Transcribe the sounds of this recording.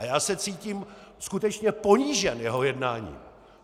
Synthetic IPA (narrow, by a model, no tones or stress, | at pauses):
ajaːsɛt͡siːciːmskut̪ɛt͡ʃɲɛpo̞ɲiːʒɛnjɛɦo̞jɛdnaːɲḭː